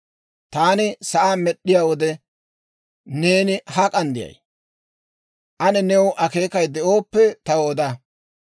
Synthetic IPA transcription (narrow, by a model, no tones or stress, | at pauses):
t̪aːnɪsɐʔaːmɛɗːɪjaːwɔd̪ɛ | ne̞ːnɪhɐkʼɐnd̪ɪjɐ̰j | ʔɐnɛnɛwʊʔɐke̞ːkɐjd̪ɛʔo̞ːpːɛt̪ɐwoːd̪ɐ